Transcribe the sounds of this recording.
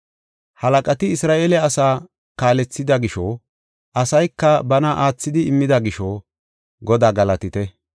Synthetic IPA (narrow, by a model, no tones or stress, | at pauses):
hɐlɐkʼɐt̪ɪɪsɾaːʔeːlɛɐsaː | kaːlɛt͡sːɪd̪ɐɡɪʃɔ | ʔɐsɐjkːɐbɐnɐʔaːt͡sːɪd̪ɪɪmːɪd̪ɐɡɪʃɔ | ɡɔd̪aːɡɐlɐt̪ɪt̪ɛ